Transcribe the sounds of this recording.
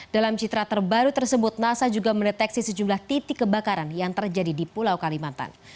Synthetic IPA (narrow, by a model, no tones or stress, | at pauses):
d̥alamt͡ʃit̪ɾat̪ərbaɾut̪ərsəbʊt̪̚nasad͡ʒuɡaməndət̪ɛksisəd͡ʒumlaht̪it̪ɪkːəbakaɾanjaŋt̪ərd͡ʒadidipulawkalimant̪a̰n